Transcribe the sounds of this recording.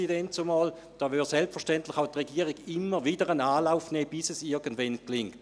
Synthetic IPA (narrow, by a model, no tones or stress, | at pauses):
idɛntsomɑːl | d̥ɑːvysɛlpfəʁʃtɛntlɪχaʊtʁeɡiːəʁiɡɪmːəʁvidəʁənaːlaʊfnɛːb̥ɪsɛsɪɐɡəndvɛnklɪŋkt